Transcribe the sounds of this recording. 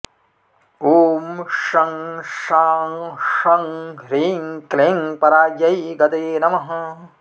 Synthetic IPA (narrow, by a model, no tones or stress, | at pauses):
uːmʂɐŋʃaːŋʂɐŋɾiːŋkleːŋpɐɾaːd͡ʒjɐjɡɐt̪eːnɐmɐɦɐ